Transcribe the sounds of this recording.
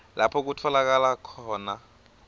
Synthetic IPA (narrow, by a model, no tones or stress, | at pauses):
lapʰɔk̬utʰɔlak̬alakʰɔːna